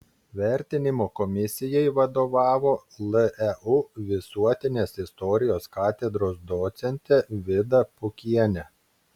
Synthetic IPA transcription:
ʋʲæˑɾʲt̪ʲɪnʲɪmoːkɔmʲɪsʲɪjɛɪʋɐd̪oːʋɑːʋoːlˠəɛuʋʲɪsuɔt̪ʲɪnʲeːsɪst̪ɔɾʲɪjoːskɑːt̪ʲɛd̪ɾoːsd̪ɔːt̪sʲɛnʲt̪ʲɛʋʲɪd̪ɐpʊkʲiɛnʲɛ

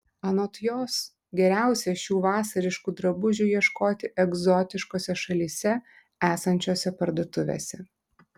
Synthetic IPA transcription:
ɐnoːt̪joːs | ɡʲɛɾʲæˑʊsʲɛʃʲuːʋɑːsɐɾʲɪʃkuːd̪ɾɐbʊʒʲuːjiɛʃkoːt̪ʲɪʔɛɡzɔt̪ʲɪʃkoːsʲɛʃɐlʲiːsʲɛ | æːsɐnʲt͡ʃʲoːsʲɛpɐɾd̪oːt̪ʊʋʲḛːsʲɛ

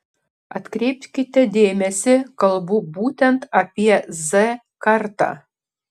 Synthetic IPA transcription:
ɐ̰t̪kɾʲep̚ʲt̪kʲɪt̪ʲɛd̪ʲeːmʲɛsʲɪkɐlˠbubut̪ʲɛnt̪ɐpʲiɛzɛ | kɑrt̪ɑ̰

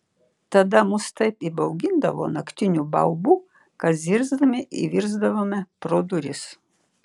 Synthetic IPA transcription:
t̪ɐd̪ɐmʊst̪ɐɪpibɐʊɡʲɪnd̪ɐʋo̰ːnɐkt̪ʲɪnʲubɐʊbuː | kɐt̪zʲɪɾzd̪ɐmʲɪʔḭʋʲiɾzd̪ɐʋoːmʲɛpɾoːd̪ʊɾʲɪs

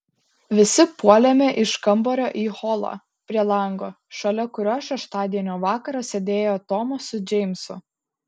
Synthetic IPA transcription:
ʋʲɪsʲɪpuɔlʲɛmʲeʔɪʃkɐmboːɾʲoːʔiːhɔlˠo̰ | pʲɾʲiɛlˠɐˑŋɡoː | ʃɐlʲɛkʊɾʲoːʃʲɛʃt̪ɑːd̪ʲiɛnʲoːʋɑːkɐɾɐsʲed̪ʲeːjoːt̪ɔːmosʊd͡ʒʲɛɪmʲsʊ

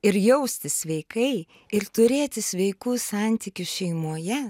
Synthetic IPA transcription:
ɪɾjɛʊsʲt̪ʲɪsʲʋʲɛɪkɐɪ | ɪɾt̪ʊɾʲeːt̪ʲɪsʲʋʲɛɪkuːsɑˑnʲt̪ʲɪkʲʊʃʲɛɪmuɔjɛ

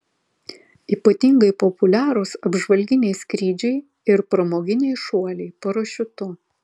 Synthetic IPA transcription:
iːpɐt̪ʲiŋɡɐɪpɔpʊlʲæːɾoːsɐbʒʋɐlʲɡʲɪnʲɛɪskɾʲiːd͡ʒʲɛɪ | ɪɾpɾɐmoːɡʲɪnʲɛɪʃuɔlʲɛɪpɐɾoːʃʲʊt̪ʊ

